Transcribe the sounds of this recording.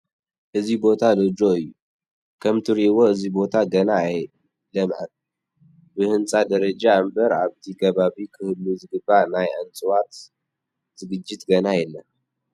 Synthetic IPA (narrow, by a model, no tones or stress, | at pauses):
ʔɨzibo̞t̪ʰalod͡ʒoɨjːu | kʰɐmt̪ʰɨɾiwoɨzibo̞t̪ʰaɡɐnaːj | lɐmʕɐ̰n | bɨhɨnt͡sʼad̪ɐɾɐd͡ʒaɨmbɐɾaβt̪ʰikʰɐβaβikʰɨhɨlːuzɨɡɨbːanajʕɐnt͡sʼɨwat̪ | z̥ɨɡɨd͡ʒːɪt̪ɡɐnajɛlːa